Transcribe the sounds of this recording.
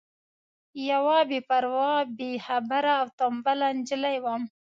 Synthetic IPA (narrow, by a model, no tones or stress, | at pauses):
jawɑbepaɾwɑbehabaɾaːwt̪ombaland͡ʒəlajwam